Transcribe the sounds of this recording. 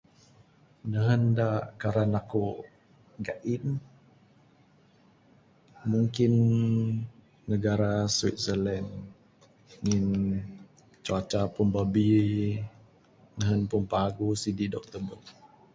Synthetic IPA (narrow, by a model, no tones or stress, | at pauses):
nəɦəndaʔkaɾanaku | ɡaʔin | muŋkin | əɡaɾaswit̪̚səlɛn | ŋin | t͡ʃuat͡ʃapunbabi | nəɦənpunpaɡusididɔk̚t̪əbət̚